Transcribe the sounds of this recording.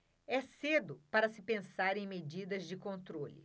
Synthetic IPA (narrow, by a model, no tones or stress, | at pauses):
ɛsed̪ʊpaɾɐsɪpẽsaɾẽj̃med͡ʒid̪ɐzd͡ʒɪkõnt̪ɾolɪ̰